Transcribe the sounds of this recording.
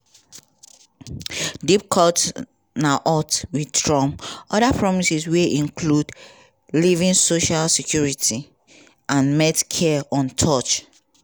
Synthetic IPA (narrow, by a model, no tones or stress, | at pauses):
dip̚kʰɔt | naʔɔtwiddɹɔ̃mɔdapɹɔmisisweʔĩŋkʰlud | livĩnsoʃalsikʰjuɹiti | ʔãnmetkʰɛɔ̃ntʰɔt͡ʃ